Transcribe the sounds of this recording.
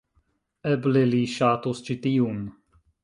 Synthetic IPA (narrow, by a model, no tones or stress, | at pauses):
ɛbleliʃat̪ust͡ʃit̪ium